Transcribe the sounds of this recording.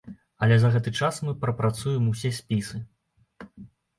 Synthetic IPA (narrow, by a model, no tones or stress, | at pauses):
ɐlʲɛzɐɣɛt̪ɨt͡ʂasmɨpɾɐpɾat̪sujɛmusʲɛsʲpʲisɨ